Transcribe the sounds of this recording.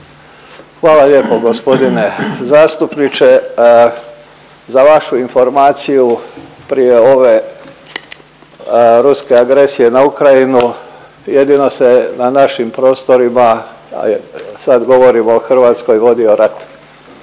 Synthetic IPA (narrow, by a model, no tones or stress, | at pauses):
xʋaːlalje̞ːpo̞ɡospo̞d̪ine̞zaːst̪upnit͡ʃe̞ | zaʋaʃuinfo̞ɾmaːt̪siju | pɾije̞o̞ʋe̞ | ɾuske̞aɡɾe̞sije̞naukɾajinu | je̞d̪ino̞se̞nanaʃimpɾo̞ːst̪o̞ɾima̰ | sad̪ɡo̞ʋo̞ɾimoːxr̩ʋaːt̪sko̞jʋo̞d̪io̞ɾat̪